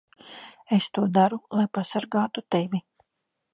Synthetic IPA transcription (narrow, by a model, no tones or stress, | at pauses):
est̪uɔd̪aɾulˠajpasaɾɡaːt̪ut̪evʲi